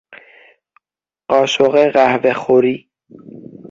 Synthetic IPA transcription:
ɢ̥ɒːʃoɣeɣæhvexoɾiː

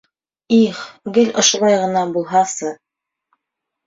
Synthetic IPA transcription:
iχɡɘlʔŏʃŏlˠɑjʁɤ̆nɑbulˠɦɑsɤ

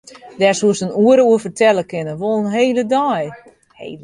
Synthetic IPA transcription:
dɛsuəsənuəɾəuəfərtʰɛləkɪnəʋolˠənɦeːlədaj | hḛː

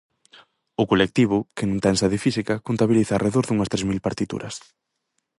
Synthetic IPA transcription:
ʊkolek̚t̪iβ̞ʊkɪnũnt̪ɛnsɐðɪfisikɐkont̪aβiliθaːrʔeðoɾðuŋɐst̪ɾezmilpaɾt̪it̪ṵɾɐs

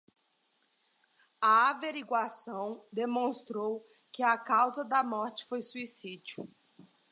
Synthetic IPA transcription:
ɐaveɾiɡwasɐ̃w̃d̪emõst̪ɾow | kɪakawzɐd̪ɐmɔɾt͡ʃɪ̥fojsuisid͡ʒiʊ̰

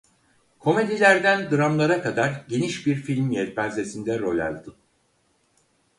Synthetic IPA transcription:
kʰo̞me̞d̪ilʲæɾd̪ænd̪ɯɾamlˠaɾakad̪aɾɟe̞niʃbiɾfilʲmjɛt̪̚bænze̞sind̪ɛɾolʲa̰lʲd̪ɯ

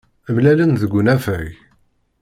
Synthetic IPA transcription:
əmlælənðəɡʷːunæfəj

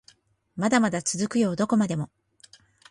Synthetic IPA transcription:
mad̪amad̪at͡sɨzɨkɯ̟jo̞ːd̪o̞ko̞mad̪e̞mo̞

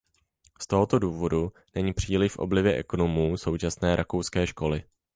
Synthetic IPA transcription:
st̪o̞ɦo̞t̪o̞duːvo̞du | nɛɲiːpr̝̥iːlɪfʔo̰blɪvjɛʔɛ̰ko̞no̞muːso̞wt͡ʃasnɛːɾʔakowskɛːʃko̞lɪ

